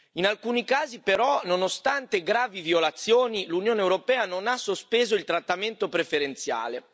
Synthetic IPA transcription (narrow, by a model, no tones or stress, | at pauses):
inalkuːnikaːzipeɾɔnonost̪ant̪eɡɾaːviviolat̪sːjoːnilunjoːneːwɾopɛːanonasospeːzoilt̪ɾat̪ːament̪opɾefeɾent̪sja̰ːle